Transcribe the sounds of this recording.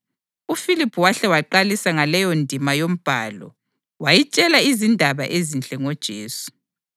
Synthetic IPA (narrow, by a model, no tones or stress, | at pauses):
ufilipʰuwaɬɛwaǃalisaŋalɛjɔndʱimajom̩b̥ʱa̰ːlɔ̰ | wajit͡ʃʼɛlaizindʱaβa̰ʔezint͡ɬʼɛŋɔd̥ʒ̥ʱeːsu̥